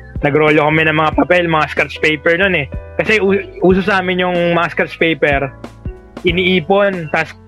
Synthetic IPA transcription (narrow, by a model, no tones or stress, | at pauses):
nɐɡɾoːlokɐmɛnɐŋmɐŋapɐpɛlmɐŋaskɐt͡ʃpɛjpɛɹnonɛkɐsɛʔuːʔuːsosaːmɪnjʊŋmɐaskɐt͡ʃpejpɛɾ | ʔɪniʔiːpo̞nt̪as